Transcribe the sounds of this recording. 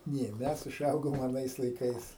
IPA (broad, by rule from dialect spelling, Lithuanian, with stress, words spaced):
ˈnʲeː ˈmʲɛs ʊˈʒɐʊɡoːm ɐˈnɐɪs lˠɐɪˈkɐɪs